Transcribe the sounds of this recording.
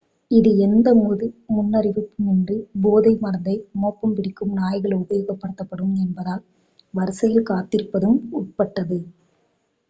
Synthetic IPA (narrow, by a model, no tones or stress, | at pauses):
ɪðɯɛnd̪ɐmoːðɯmʊnːɐɾɪʋɯpːɯmɛndrɯboːðɐɪmɐɾɐnd̪ɐɪmoːpːɐmpɪɽɪkːɯmnaːjɣɐɭʊbɐjoːɣɐpːɐɽɯt̪ːɐpːɐɽɯmɛnbɐðaːl | ʋɐɾsɐjɪlkaːt̪ːɪɾpːɐðɯmʊʈ̚pɐʈːɐðɯ